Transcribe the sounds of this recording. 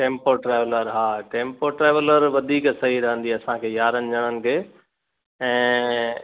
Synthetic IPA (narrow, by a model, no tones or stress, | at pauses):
ʈẽːmpoʈɾeːʋləɾɦaːʈẽːmpoʈɾeːʋələɾʋɐd̪ʱiːksɐɦiɾɐɦə̃nd̪iɐsãkʰeːjaːɾənɪ̆d͡ʑəɽ̃ənɪ̆kʰeː | ɛ̃ː